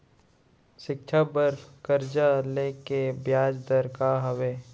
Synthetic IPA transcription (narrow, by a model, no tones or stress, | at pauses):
ʃɪk̚t͡ʃʰabəɾfkəɾd͡ʒaleːkebjaːd͡ʒd̪əɾkaɦəʋeː